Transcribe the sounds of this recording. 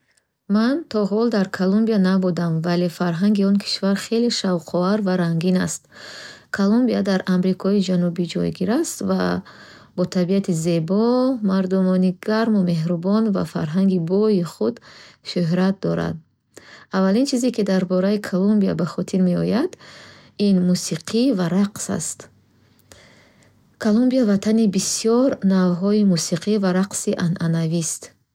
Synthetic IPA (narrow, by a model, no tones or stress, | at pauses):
mant̪ʰɔɦɔld̪aɾkʰalumbianabud̪amvalefaɾɦaŋɡiɔnkʰi̥ʃvaɾχe̞leʃavqʰɔaɾvaɾaŋɡina̰st̪kʰalumbiad̪aɾamɾikʰɔid͡ʒanubid͡ʒɔ̰jɡiɾast̪va̰ | bɔt̪ʰabiat̪ʰize̞bɔmaɾd̪umɔniɡaɾmume̞ɦɾubɔnva̰fa̰ɾɦaŋɡibɔjiχud̪ʃuɦɾat̪̚d̪ɔɾa̰d̪̚ | avːalint͡ʃʰizekid̪aɾbɔɾaikʰalumbia̰baχɔt̪ʰiɾme̞ɔjad̪ | inmusiqʰivaɾaqsa̰st̪ | kʰalumbiavat̪ʰanibisijɔɾnavɦɔimusiqʰivaɾaqsiʔanʔanavist̪